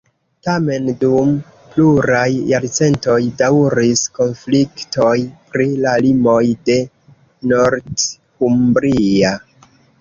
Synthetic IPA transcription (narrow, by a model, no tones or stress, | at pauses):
tame̞ndum | pluɾajːaɾt͡se̞nto̞jdawɾisko̞nflikto̞jpɾilalimo̞jde̞ | no̞ɾd | humbɾia